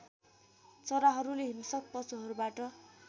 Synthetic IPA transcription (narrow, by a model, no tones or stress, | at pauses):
t͡sʌɾaɦʌɾuleɦimsʌk̚pʌt͡suɦʌɾubaʈʌ